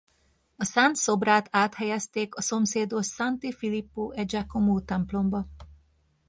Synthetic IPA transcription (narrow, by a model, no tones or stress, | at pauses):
ɒsant̪so̞braːt̪aːt̪hɛjɛst̪eːkɒso̞mseːd̪oʃsant̪ifilipːoːʔɛd͡ʒakomoːt̪ɛmplo̞mbɒ